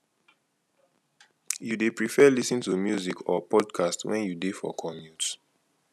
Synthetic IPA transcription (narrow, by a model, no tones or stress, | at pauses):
judepɹifɛlisĩntumjuzikʰɔ̰pɔdkʰastwɛ̰̃njudefɔ̰kʰɔmjut